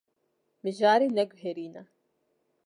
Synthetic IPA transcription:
mɨʒaːɾiːnɛɡʊɦeɾiːnɐ

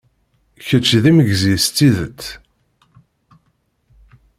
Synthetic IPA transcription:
çət͡ʃːðiməʝzist̪ːiðət͡sː

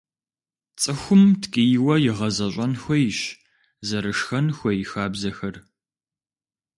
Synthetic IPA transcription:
t͡sʼɨxʷʊmtʰkʼijwɐjɪʁɐzɐɕʷʼɐnxʷɔjɕ | zɐɾɨʂxɐnxʷɔjɪxaːbzɐxɐr

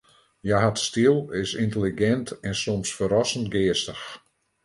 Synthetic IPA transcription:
jaɦatstilˠɪsintəliɡɛntʰɛnsɔmsfəɾɔsən̩tɡɪəstəx

